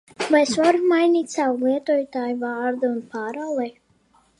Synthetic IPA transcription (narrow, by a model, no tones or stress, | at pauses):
vajsvaɾumajniːt̪ʲsawlˠiɛt̪ɔɔjt̪aːjuvaːɾd̪ɨunpaːɾawlˠɛj